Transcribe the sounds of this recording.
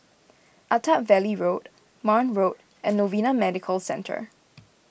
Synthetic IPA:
ʔatʰatvɛliɹot | manɹot | ɛ̃nːovinamɛdɪkʰəlsɛ̃ntʰə̰

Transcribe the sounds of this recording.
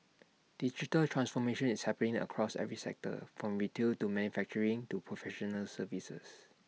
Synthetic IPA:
d̥id͡ʒitəltʰɹãnsfɔmeʃə̃nishɛpənĩŋə̰kʰɹɔsɛ̰vɹisɛ̰k̚tə̰fɹɔ̃mɹitʰiltumɛ̃njufɛk̚t͡ʃəɹĩŋtupʰɹɔfɛʃɔnəlsəvisə̰s

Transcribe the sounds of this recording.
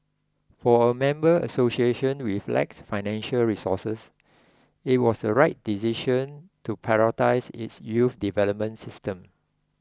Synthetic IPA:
fɔəmɛ̃mbəə̰sosieʃə̃nwiflɛ̰k̚sfaɪnɛ̃nʃəlɹisɔ̰səs | it̚wɔsdəɹaɪt̚d̥isiʃə̃ntupʰaɹɔtaɪsḭtsjufdivɛləp̚mə̃nsistə̃m

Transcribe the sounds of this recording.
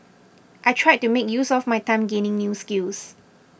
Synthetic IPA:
ʔajtʰɹaj̚tumekjusɔfmajtãɪ̃mɡẽnɪ̃ŋnjuskils

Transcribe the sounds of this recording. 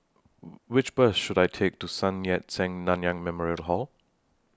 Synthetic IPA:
wɪt͡ʃbəsʃudajtʰek̚tusãnjɛt̚sɛ̃ŋnãnjãŋmɛmɔɹiəlɦɔl

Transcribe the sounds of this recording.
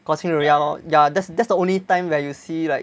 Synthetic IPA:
kɔsĩŋəɹiajadɛtsdɛtsdəõnlitãɪ̃mwɛjusilaɪk

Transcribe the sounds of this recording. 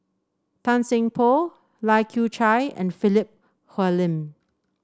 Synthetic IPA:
tʰãnsɪ̃ŋpʰo | laɪkʰjut͡ʃaɪɛ̰̃nfilip̚ | hɛlĩm

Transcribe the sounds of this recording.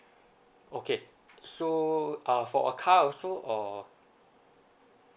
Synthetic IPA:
okʰe | soʔʌfɔ̰ʔə̰kʰawsoʔɔ

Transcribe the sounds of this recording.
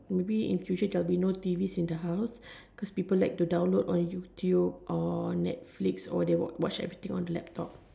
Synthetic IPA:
mebiḭ̃nfjut͡ʃədɛlbinotivisĩndəɦaʊs | kɔspipəlaɪk̚tudãw̃nlodɔ̃njutʰjubʔɔnɛ̰t̚fliksɔ̰dewɔ̰wɔ̰t͡ʃɛ̰vɹit̪ĩŋɔ̃ndəlɛ̰p̚tʰɔ̰p̚

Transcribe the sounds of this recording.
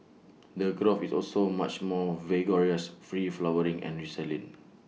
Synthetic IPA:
dəɡɹofisɔ̰lsomat͡ʃmɔvɛɡɔɹiəsfɹiflawəɹĩŋʔɛ̰̃nɹisɛlĩŋ

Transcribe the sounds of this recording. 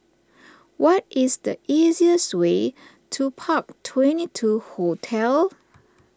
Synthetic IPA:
wʔɔtɪsdə̰ʔiziəswe | tʰupʰak̚tʰwɛ̃nitʰuhotʰɛl

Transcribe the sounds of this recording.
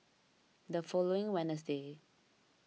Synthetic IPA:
dəfɔloɪ̃ŋwɛnəs̬de

